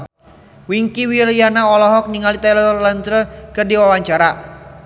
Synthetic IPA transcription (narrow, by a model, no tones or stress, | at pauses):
wiŋkiwilijanaɔlɔɦɔk̚niŋalit̪alɔlant̪ɾəkɨrdiwawaɲt͡ʃaɾa